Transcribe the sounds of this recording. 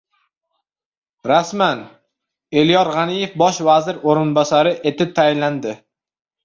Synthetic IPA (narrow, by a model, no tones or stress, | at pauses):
ɾasman | e̞lijɒɾʁanije̞fbɒʃvazɪɾoɾɪnbɒsaɾɪʔe̞t̪ʰɪp̚t̪ʰajɪnland̪ɪ